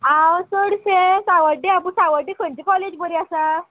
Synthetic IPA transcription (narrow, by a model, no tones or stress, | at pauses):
ɦãwsəɽsesaʋəɖiap̬usaʋəɖikʰəɳt͡ɕikɔled͡ʑbəɾiasa